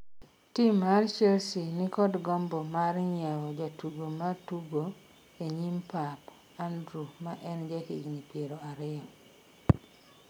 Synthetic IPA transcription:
timart͡ʃɛlsinikɔdɡɔmbɔmaɾɲawɔd͡ʒatuɡomatuɡo | eɲimpap | andɾumaʔɛnd͡ʒɛkeinipjeɾoaɾɪɔ

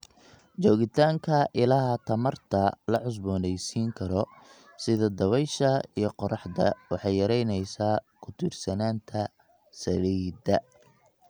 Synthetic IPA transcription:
t͡ʃɔːɣɪt̪ʰaːŋkʰɐʔɪlɐɦɐt̪ʰɐmɐrt̪ʰɐlɐʕʊs̬bɔːnɛjsiːŋkʰɐɾɔ | sɪðɐd̪ɐβɛjʃɐijɞqɔɾɑħd̪ɐ̰wɑħɑjːɐɾɛjnɛjsaːkʰʊt̪ʰɪrsɐnaːnt̪ʰɐ | sɐliːd̪ɐ

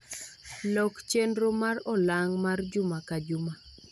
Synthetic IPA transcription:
lɔkt͡ʃendɾomarɔlaŋmard͡ʒʊmakad͡ʒʊma

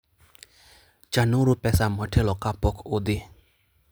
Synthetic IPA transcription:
t͡ʃanʊɾʊpɛsamɔtʰɛlɔkapɔkʰʊd̪ɪ

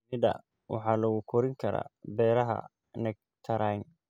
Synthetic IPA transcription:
mɪd̪ɐ̰ | wɑ̰ħɑːlɐɣʊkʰɔɾɪŋkʰɐɾa̰ːbɛːɾɐɦɐ̰ | nɐɡ̚ | t̪ʰɐɾan

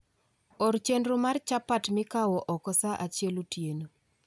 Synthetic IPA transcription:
ɔɾt͡ʃendɾomart͡ʃapatmɪkawɔʔɔkɔsaʔat͡ʃjɛlotjeno

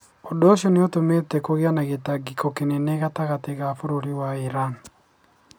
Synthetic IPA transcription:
ɔdɔʃɔneotometɛkoɣeanaɣetaɡikʰɔkeneneɣataɣateɣafoɾoɾiwaiɾan

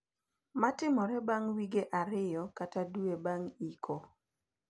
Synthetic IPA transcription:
matɪmɔɾɛbaŋwiɡeʔaɾɪjɔkataduebaŋikʰo

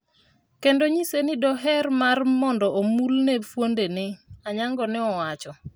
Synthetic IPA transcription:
kendoɲisenɪdɔɦɛrmarmɔndɔʔomulnefwondenɪaɲaŋɡɔnɪɔwat͡ʃɔ

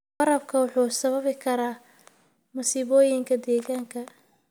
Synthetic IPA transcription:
ɑɾɐb̚kʰɐwʊħuːsɐβɐβɪkʰɐɾaː | musiːβɔːjɪŋkʰɐd̪ɛːɣaːŋkʰɐ

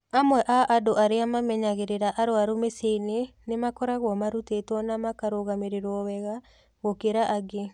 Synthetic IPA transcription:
amwɛʔaʔadoʔaɾeamamɛɲaɣeɾeɾaʔaɾoaɾumeseinenemakɔɾaɣwɔmaɾutetwɔnamakaɾoɣameɾeɾɔwɛɣa | ɣokeɾaʔaɡe

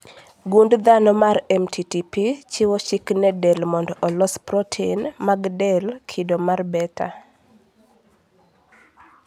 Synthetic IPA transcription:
ɡundd̪anɔmaɾɛmtʰitipit͡ʃɪwɔʃiknɛdɛlmɔndɔʔɔlɔspɾɔtʰenmaɡdɛlkʰidomarbɛta̰

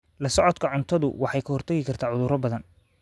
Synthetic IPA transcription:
lɐsɔʕɔd̪kʰɐʕʊnt̪ʰɐðʊ̰wɑħɑjkʰɐhɔrt̪ʰɐɣɪkʰɐrt̪ʰaːʕʊðʊɾɐbɐðɐn

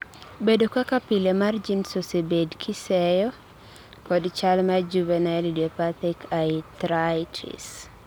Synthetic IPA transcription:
bedokakapilemard͡ʒinsosebedkʰisɛjɔ | kɔdt͡ʃalmad͡ʒuvɛnaɛlidiopat̪ikʰat̪ɾajtʰḭs

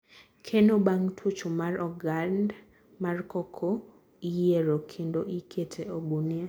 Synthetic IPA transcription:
kʰenobaŋtʰut͡ʃomarɔɡand | markɔkʰo | ijeɾokʰendoʔikʰetʰeobunie

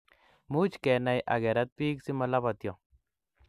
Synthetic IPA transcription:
mut͡ʃkenajʔa̰ɡeɾat̪̚piːksimalaβat̪jo

